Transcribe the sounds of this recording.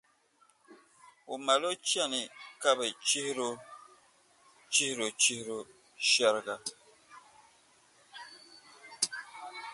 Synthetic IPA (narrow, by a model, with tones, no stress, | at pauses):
u˨ma˨lo˦t͡ʃja˦˨ni˨ka˦be˨t͡ʃi˦hɾo˦ | t͡ʃi˦hɾo˨t͡ʃi˦hɾo˦ | ʃa˦ɾɡa˦